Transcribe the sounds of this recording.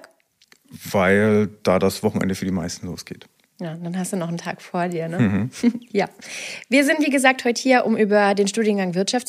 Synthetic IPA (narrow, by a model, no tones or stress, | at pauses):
vaɪld̥aːdasv̥ɔχn̩ʔɛ̰ndəfyːɐdiːma̰ɪstn̩lo̰ːsɡ̥ḛːt | jaːdanɦastd̥uːnɔχn̩tʰa̰ːkfoːɐdiːɐnə | jaːviːɐzɪntv̥iːɡəzaːk̚thɔʏtə̥hiːɐʔʊmʔyːbɐdeːnʃtuːdjənɡaŋvɪɐtʃaftt͡s